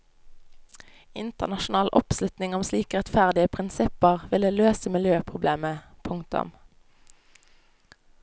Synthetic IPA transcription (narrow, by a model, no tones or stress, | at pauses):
ɪnt̪əʁnɑʃʊn̩ɑːlʔɔpslʉt̪nɪŋɔmsliːkəʁɛt̪fæʁd̪ɪəpʰʁɪnsɪpəʁʋɪləløːsəmɪljøːpʰʁʊbleːməpʰʊŋkt̪ʊ̰m